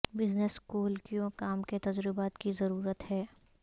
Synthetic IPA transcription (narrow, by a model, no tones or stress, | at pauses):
bɪzneskuːlkijõkaːmket̪ɐd͡ʒɾɪbaːt̪kizɐɾuːɾət̪hɛː